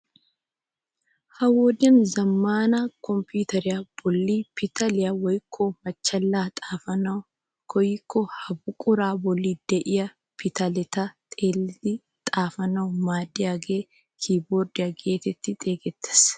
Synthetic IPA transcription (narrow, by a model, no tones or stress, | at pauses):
hɐwɔd̪ɐnzɐmːaːnaːkɔmpuːt̪ɐɾɪjɐb̥ɔlːiːpɪt̪ɐlɪjɐwɐjɪkʰːomɐt͡ʃːɐlːaːt̪ʼaːfɐnɐ | kɔjɪkːɔhɐbʊkʼʊɾaːbɔlːiːd̪̥ɛʔɪjɐ | pɪt̪ɐlɛt̪at̪ʼeːlt̪i | t̪ʼaːfɐnɐɔmaːd̪ɪɐɡeː | kʰiːboːɾd̪ɪɐɡeːt̪ɛt̪ːɪt̪ʼeːɡɛt̪ːɛ̥s